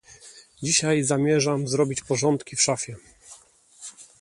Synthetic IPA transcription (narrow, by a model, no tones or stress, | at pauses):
d͡ʑiɕajzamʲjɛʐamzɾɔbʲit͡ɕpɔʐɔnt̪kʲifʂafʲjɛ